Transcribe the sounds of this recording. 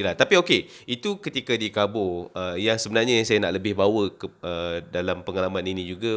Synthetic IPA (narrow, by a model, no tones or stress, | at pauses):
ilaht̪apiokeit̪ukət̪ikadikabʊəjaŋsəbənarɲajaŋsajana̰ʔləbɪhbawəkədalampəŋalamãninĩd͡ʒuɡa